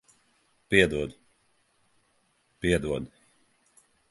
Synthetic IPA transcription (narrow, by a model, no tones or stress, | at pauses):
piɛd̪uɔd̪u | piɛd̪uɔd̪